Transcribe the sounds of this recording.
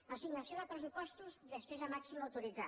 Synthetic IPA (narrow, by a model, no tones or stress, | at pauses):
əsiɡnəsioðəpɾəsupɔst̪uzðəspɾezəmaksimawt̪uɾid͡za